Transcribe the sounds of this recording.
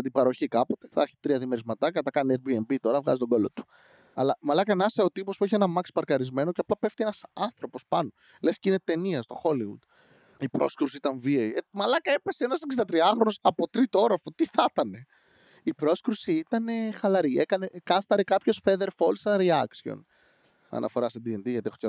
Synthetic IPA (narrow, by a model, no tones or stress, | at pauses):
ɐt̪ibɐɾo̞çikɐpo̞t̪e̞̥θɐ̰çi̥t̪ɾiɐðimeɾizmɐt̪ɐkɐt̪ɐkɐniebiembit̪o̞ɾɐvɣɐ̰zist̪o̞ɡo̞lot̪u̥ | ɐ̰lɐmɐlɐkɐnɐseot̪ipospueçienɐmɐkspɐɾkɐɾizme̞no̞ceɐplɐpe̞ft̪ienɐsɐnθɾo̞po̞spɐno̞ | le̞scine̞t̪e̞niɐst̪o̞xo̞liwṵd̪̥ | ipɾo̞̰skɾusiit̪ɐɱvieimɐlɐkɐe̞pe̞seenɐseksind̪ɐt̪ɾiɐxɾonosɐpo̞t̪ɾit̪ooɾɐfot̪iθɐt̪ɐne̞ | ipɾo̞skɾusiit̪ɐne̞xɐlɐɾie̞kɐne̞kɐst̪ɐɾikɐpço̞sfe̞ðe̞ɾfo̞lsɐɾiɐksio̰n | ɐ̰nʔɐ̰fo̞ɾɐsd̪iend̪iʝɐt̪ieoce